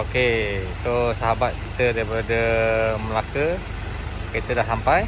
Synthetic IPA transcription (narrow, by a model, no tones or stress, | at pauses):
okesosaɦabat̪̚kit̪ədaɾipaadəməlakə | kit̪ədahsampaj